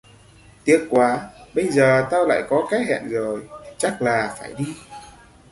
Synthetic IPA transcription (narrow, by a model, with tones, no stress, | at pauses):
t̪i˨˦ək̚kwaː˨˦ɓə˧jzəː˨˩t̪aː˧wla̰ː˧˨jkɔ˨˦kaː˨˦jɦɛ̰˧˨nzo˨˩jt͡ɕa˦˥k̚laː˨˩faː˧˩jɗi˧